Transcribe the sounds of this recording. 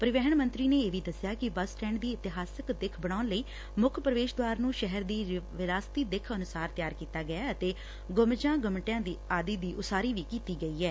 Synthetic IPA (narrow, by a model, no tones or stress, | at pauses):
pəɾɪʋɛɦəɳmə̃nt̪ɾiːneːeːʋiːd̪əsjaːkɪbəsʈɛ̃ːɳɖd̪iːɪt̪ɪɦaːsɪkd̪ɪkʰbəɽ̃aːʊnləiː | mʊkʰpɾəʋeːʃd̪waːɾnũːʃɛɦəɾd̪iːʋɪɾaːst̪iːd̪ɪkʰənʊsaːɾt̪jaːɾkiːt̪aːɡɪjaːət̪eː | ɡʊmd͡ʒãːɡəmʈjãːd̪iːaːd̪iːd̪iːʔʊsaːɾiːʋiːkiːt̪iːɡəiːɛː